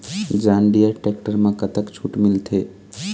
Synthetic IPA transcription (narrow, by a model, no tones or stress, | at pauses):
d͡ʒãɳɖijəʈek̚ʈəɾmãkət̪əkt͡ʃʰuʈmɪlt̪ʰe